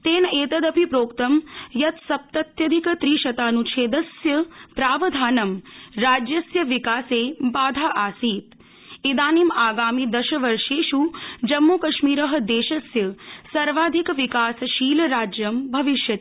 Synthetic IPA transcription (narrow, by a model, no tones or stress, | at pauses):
t̪eːneːt̪ɐd̪ɐbʱipɾoːkt̪ɐmjɐt̪sɐp̚t̪ɐt̪jɐd̪ʱikt̪ɾiːʃɐt̪aːnũt͡ʃʰeːd̪ɐsjɐpɾaːʋɐd̪ʱaːnɐmɾaːd͡ʒjɐsjɐʋikaːseːbaːd̪ʱaːʔaːsiːt̪ | id̪aːnimaːɡaːmid̪ɐʃəʋɐɾʃeːʃud͡ʒɐmːukɐʃmiːɾəɦə̆d̪eːʃɐsjəsɐɾʋaːd̪ʱikʋikaːsʃiːlɐɾaːd͡ʒjɐmbʱɐʋiʃjɐt̪